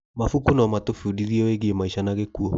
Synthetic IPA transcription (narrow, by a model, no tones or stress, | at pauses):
mafukunɔmatofiudiɾiɔweɣiemaiʃanaɣekuɔ